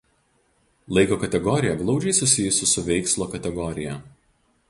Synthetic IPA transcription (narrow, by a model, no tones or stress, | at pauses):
lˠɐɪkoːkɐt̪ʲɛɡɔɾʲɪjɛɡlˠɒʊd͡ʒʲɛɪsʊsʲɪjʊsʲɪsʊʋʲɛɪkslˠoːkɐt̪ʲɛɡɔɾʲɪjɛ